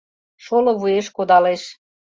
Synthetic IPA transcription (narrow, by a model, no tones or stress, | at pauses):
ʃoloβueʃkod̪ɑleʃ